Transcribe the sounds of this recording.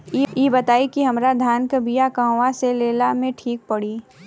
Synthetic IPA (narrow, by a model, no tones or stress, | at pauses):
jebɐt̪aːikiɦɐmɾad̪ʱaːnkəbijakãːwaseleːlamẽʈʰiːk̚pɐɽiː